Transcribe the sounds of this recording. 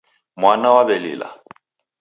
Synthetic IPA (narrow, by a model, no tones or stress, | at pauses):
mwanawabɛlɪ̰ːla̰